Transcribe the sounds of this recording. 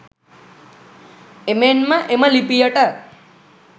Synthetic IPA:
emenmãʔemãlipijəʈa

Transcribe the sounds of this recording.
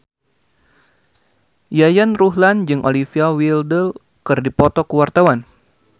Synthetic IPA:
jajanruɦland͡ʒɨŋʔolifiawildəl | kɨrdipɔt̪ɔkəwart̪awan

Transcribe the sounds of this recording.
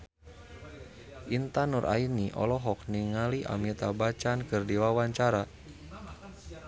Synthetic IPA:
ʔint̪anurʔa̰iniʔɔ̰lɔɦɔk̚niŋaliʔa̰mit̪abat͡ʃankɨrdiwawaɲt͡ʃaɾa

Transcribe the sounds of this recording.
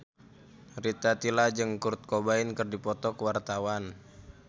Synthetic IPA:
rit̪at̪ilad͡ʒɨŋkurt̪̚kobaɪnkɨrdipɔt̪ɔkəwart̪awan

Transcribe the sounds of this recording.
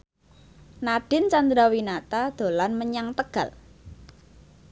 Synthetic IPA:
naɖ̥ɪ̤nt͡ʃand̪ɾawinat̪ad̪̥o̤lanməɲaŋt̪əɡ̥a̤l

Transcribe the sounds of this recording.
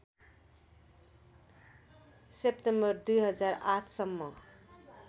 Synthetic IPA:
sepʈembʌɾd̪ujɦʌd͡zaɾatʰsʌmːʌ

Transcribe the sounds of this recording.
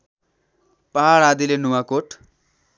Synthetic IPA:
paɦaɽad̪ilenuwakoʈ

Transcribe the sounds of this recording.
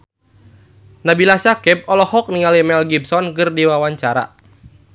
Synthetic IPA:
nabilasakɛp̚ɔlɔhɔk̚niŋalimɛlɡibsɔnkɨrdiwawaɲt͡ʃaɾa̰

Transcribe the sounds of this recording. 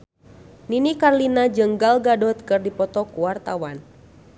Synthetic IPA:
ninikarlinad͡ʒəŋɡalɡadɔt̪kɨrdipɔt̪ɔkuwart̪awan

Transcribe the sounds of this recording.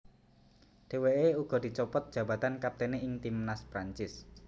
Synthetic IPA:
ɖ̥e̤weeuɡ̥ɔ̤d̪̥i̤t͡ʃɔpɔt̪̚d̥ʒ̥ä̤bä̤t̪ankap̚t̪eneʔɪŋt̪imnaspɾaɲt͡ʃɪs

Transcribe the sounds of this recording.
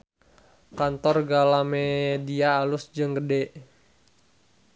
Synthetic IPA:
kant̪ɔrɡalamediaːlʊsd͡ʒəŋɡədeʔ

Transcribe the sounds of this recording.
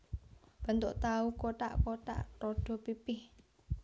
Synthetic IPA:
b̥a̤nt̪oʔt̪aukoʈa̰ʔkoʈa̰ʔrɔɖ̥ɔ̤pipɪh

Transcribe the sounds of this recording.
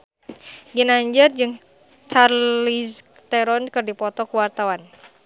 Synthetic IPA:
ɡinaɲd͡ʒərd͡ʒɨŋ | t͡ʃarlis | t̪ɛɾɔnkɨrdipɔt̪ɔkuwart̪awan

